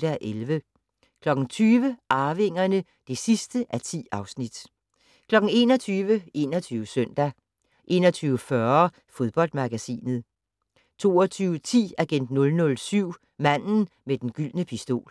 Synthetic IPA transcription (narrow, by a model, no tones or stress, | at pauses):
d̥æʔelʋə | kʰlɒ̽ɡ̥ŋ̩t͡sʰyːʋəʔɑ̈ːʋe̝ŋ̰ɐnə | d̥e̝sisd̥əʔæt͡sʰḭːɑ̈ʊsnid̥ | kʰlɒ̽ɡ̥ŋ̩e̝̰ːnɒt͡sʰyːʋəe̝ːnɒt͡sʰyːʊəsœn̰d̥æ | ʔe̝̰ːnɐt͡sʰyːʊəfɶɐ | fo̝ð̞ˠb̥ɒ̽l̰d̥mɑ̈ɡ̥æsḭːnð̞̩ˠ | t͡sʰo̝̰ːɒt͡sʰyːʊət͡sʰḭːæɡ̥en̰d̥nɔ̽lnɔ̽lsyʊ̰ | mæn̰n̩med̥enɡ̥yl̰nəpʰisd̥o̝̰ːl